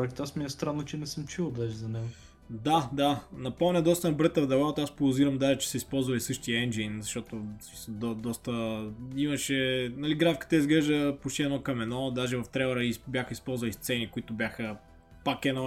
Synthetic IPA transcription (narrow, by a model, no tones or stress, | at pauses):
ɛkt̪asmiɛst̪ɾanːot͡ʃɛnɛsəmt͡ʃulˠəd̪aʒɛzɐnɛɡʊ | d̪ad̪anɐpomnʲəd̪ɔst̪ənɐbɾɛt̪ɐvd̪ɛvat̪aspoʊziɾɐmd̪aʒɛt͡ʃɛ̥sɛispɔlˠzvɐlisɤʃt̪iəɛnd͡ʒinzɐʃt̪ɔt̪osisd̪ɔd̪ɔst̪əimɐʃɛnɐliɡɾafkə̥t̪əizɡlɛʒd̪əpot͡ʃt̪iɛnɔkɐmɛnɔd̪aʒɛvɐft̪ɾɛvɐɾəibʲjaxəispɔlˠzvɐlist̪sɛnikʊit̪ʊbʲjaxə | pakɛno